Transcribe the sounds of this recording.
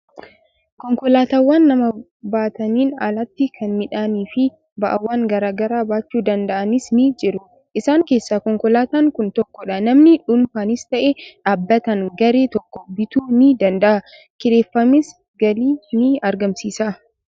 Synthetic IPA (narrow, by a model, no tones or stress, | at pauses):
kɔŋkɔlaːt̪ɐwːaːnːɐmɐ | baːt̪ɐniːna̰lɐt̪ːɪkʰɐnmɪᶑaːniːfɪ | bɐʔɐwːaːŋɡɐɾaːɡɐɾaːbaːt͡ʃːuːd̪ɐnd̪ɐʔɐnɪsnɪd͡ʒɪɾʊ | ʔɪsaːŋke̞ːsːaːkɔŋkɔlaːt̪aːŋkʊnt̪ɔkːɔᶑɐnɐmnɪᶑʊnfaːnɪst̪ɐʔeᶑaːbːɐt̪ɐŋɡɐɾe̞ːt̪ɔkːɔbɪt̪uːnɪd̪ɐnd̪ɐʔɐ | kɪᶑe̞ːfːɐmɪs | ɡɐliːnɪɐɾɡɐmsiːsa